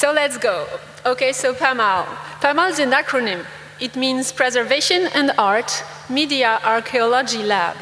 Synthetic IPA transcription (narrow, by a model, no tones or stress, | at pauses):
solɛtsɡ̥oʊ | okesopʰɛmalpʰæmalˠɪzɨ̃nakʰɹɔnɪ̃m | ɪtmĩnz̥pʰɹ̥ɛzə˞veʃɨ̃nɛ̃ndaɹt | midiaʔaɹkʰeɔlɔd͡ʒilæ̰b̥